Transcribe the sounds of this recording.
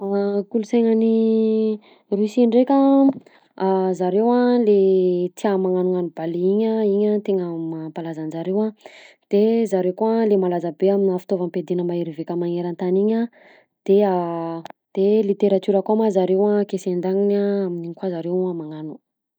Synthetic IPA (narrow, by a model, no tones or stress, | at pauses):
akuluseŋani | rusiɳɖ͡ʐekʲə | azaɾewalet͡s̪iamaŋanuŋanubaliiɲəiɲat̪eŋəmapalazanzaɾewa | d̪̥ezaɾewkualemalazəbeaminafi̥t̪ovəmped̪inəmaeɾivekʲəmaŋeɾant̪aniɲa | d̪̥ea | d̪̥elit̪eɾat͡ʃuɾəkamazaɾewakesend̪aŋiɲaaminiɲikwazaɾewamaŋanu̥